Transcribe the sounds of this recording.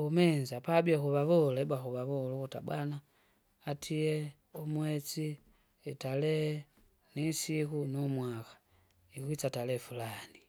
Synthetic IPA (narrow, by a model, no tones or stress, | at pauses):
umɛnzapabiakuβaβɔlɛbwakuβaβɔlukuta̰bwanaː | tʰiɛ | umwɛt͡siː | talɛ | nisikunumwakḁ | ikwit͡satalɛfulani